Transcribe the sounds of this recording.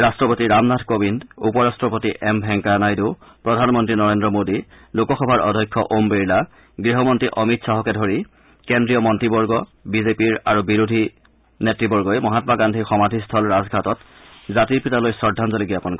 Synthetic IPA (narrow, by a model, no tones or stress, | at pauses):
ɹastɹɔpotiɹamnadʰkobindupɔɹastɹɔpotiʔɛmbʱɛŋkanajdupɹɔdʱanmɔntɹinɔɹendɹɔmodi | lokɔxɔbʱaɹʔɔ̰dʱɔjkʰːɔʔombeɹla | ɡɹiɦɔmɔntɹiʔɔmitsaɦɔkɛdʱoɹi | kendɹijɔmɔntɹibɔɹɡɔbizepiɹaɹubiɹudʱi | netɹibɔɹɡɔjmɔɦatɔmaɡandʱixɔmadʱistʰɔlɹazɡʱatɔt | zatiɹpitalojsɔɹdʱːanzɔliɡiapɔnk